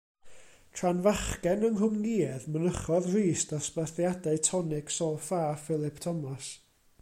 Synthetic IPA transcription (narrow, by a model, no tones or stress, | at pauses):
tʰranvaχkɛnəŋɦʊmniːɛðmənəχɔðriːsdaspaθjadaɨtʰɔnɪɡ̥sɔfaːfɪlˠɪpʰtʰɔmas